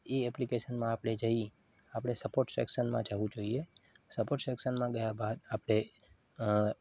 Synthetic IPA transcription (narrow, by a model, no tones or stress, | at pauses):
eɛplikeʃənmãapɽ̃ed͡ʒəi | apɽ̃esəpoɾʈsɛ̰kʃənmã̰d͡ʒəʋũd͡ʒoiesəpoɾʈseksənmãɡəjabad̪apɽ̃e